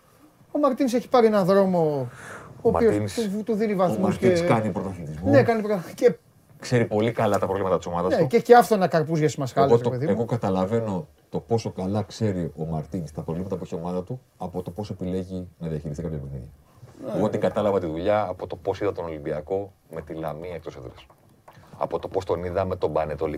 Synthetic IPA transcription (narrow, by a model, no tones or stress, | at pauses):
o̞mɐɾt̪inise̞çi̥pɐɾienɐðɾo̞mo̞ | oːiout̪uðinivɐθmɐustiskɐnipɾot̪ɐθit̪izmnekɐnipɾoce | kse̞ɾipo̞likɐlɐt̪ɐpɾovlimɐt̪ɐt̪iso̞mɐðɐsnececeɐft̪oenɐkɐɾpuzʝɐsimɐsxɐlos̬eopeðieɣo̞kɐt̪ɐlɐve̞no̞ | t̪o̞po̞so̞kɐlɐkse̞ɾio̞mɐɾt̪inist̪ɐpɾovlimɐt̪ɐpueçio̞mɐðɐt̪u | ɐpo̞t̪o̞po̞soe̞pile̞ʝinɐðiɐçiɾist̪ikɐpçɐpenḭðɐ̰ | uot̪iŋɡɐt̪ɐlɐvɐt̪iðuʎɐːpo̞t̪o̞po̞siðɐt̪onolimbiɐko̞me̞t̪ilɐmiekt̪oset̪ɾɐs | ɐ̰po̞t̪opo̞st̪o̞niðɐme̞t̪o̞bɐnet̪oli